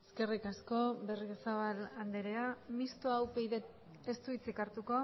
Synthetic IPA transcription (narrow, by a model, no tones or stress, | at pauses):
eskerikasko̞berɣesaβaland̪eɾeamist̪oawpejðet | est̪uit͡sikaɾt̪uko̞